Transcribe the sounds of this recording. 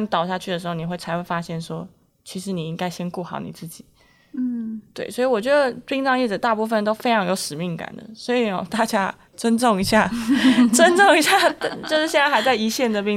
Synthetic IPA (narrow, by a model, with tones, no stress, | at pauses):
n˥t̪ɑ˨˩ʊɕja˥˧t͡ɕʰy˥˩ə˩ʂɻ̩˧˥xo˥˩ni˨˩xwe˥˩ɪt͡sʰa˧˥ɪxwe˥˩ɪfa˥ɕjɛ˥˩nʂwɔ˥ | t͡ɕʰi˧˥ʂɻ̩˧˥ni˨˩i˥ŋka˥ɪɕjɛ˥nku˥˩xɑ̰˨˩˦ʊnḭ˨˩t͡sɹ̩˥˩t͡ɕi˨˩˦ | t̪we˥˩ɪswɔ˧˥i˨˧wɔ˨˩t͡ɕɥɛ˧˥d̪ə˧pi˥ŋʈ͡ʂɑ˥˧ŋjɛ˥˩˨ə˩t̪a˥˧pu˥˩fə˨˩nt̪o˥ʊfe˥ɪʈ͡ʂʰɑ˧˥ŋjo˧˥ʊʂɻ̩˨˩mi˥˩ŋka̰˨˩nd̪ə̰˩swɔ˧˥i˨ɔ˧˩t̪a˥˩t͡ɕja˥ | t͡swə˥nʈ͡ʂʊ˥˩ŋi˧˥ɕja˥˩t͡swə˥nʈ͡ʂʊ˥˩ŋi˧˥ɕja˥˩˥t͡ɕjo˥˧ʊʂɻ̩˥˩jɛ˥˧nt͡sa˥a˧˥ɪt͡sa˥˩ɪi˧˥ɕjɛ˥˩nd̪ə˨pi˥˧ŋ